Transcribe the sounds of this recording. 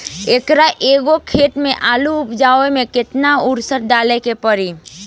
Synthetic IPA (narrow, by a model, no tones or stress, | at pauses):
eːkɾaʔeːɡokʰeːʈmẽʔaːluʊpd͡ʒaːemẽkɪt̪naʊɾsəɾɖaːlekepəɾi